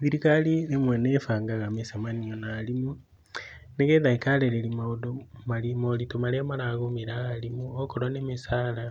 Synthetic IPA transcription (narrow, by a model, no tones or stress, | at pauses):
βiɾikalinemwenefaːŋɡaɣamesamanionaːlimu | neɣeðaikaleɾelimadomalimolitomalemaɾaɣomiɾaːlimuokoɾonemisaːla